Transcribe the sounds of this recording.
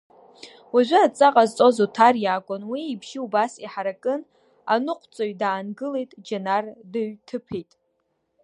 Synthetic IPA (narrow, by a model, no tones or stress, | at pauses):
waʒʷɪat͡sʼaqʼazt͡sʼozutʰarjaːkʷʼʊnwiːbʰʒiubasiħaɾakʼɨn | a̰nɨqʷʰʼt͡sʼoɥdaːnɡɨlejtʼd͡ʒanardɨɥtʰɨpʰe̞jtʼ